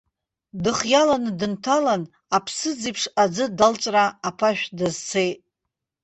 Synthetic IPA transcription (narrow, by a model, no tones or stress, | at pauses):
dɨχjalanɨdɨntʰalan | apʰsɨd͡zipʰʂad͡zɨdalt͡ʃʷʼraːpʰaʃᶣdazt͡sʰejtʼ